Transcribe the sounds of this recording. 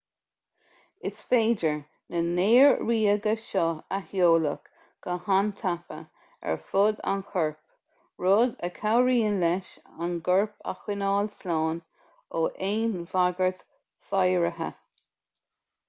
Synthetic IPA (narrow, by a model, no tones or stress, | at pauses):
ɪsfeːd͡ʒəɹ | nəneːɹɹiːəɡəʃɔahjoːlək | ɡ̥əhant̪ʰapə̰ | ɛ̰ɹfʊd̪a̰nxɔɹp | ɹoːd̪əkʰawɹiːənlɛʃanɡɔɹpʰa̰xwɪnɑːlslɑːn | oːʔeːnvaɡəɹt | fajɹəɦə̰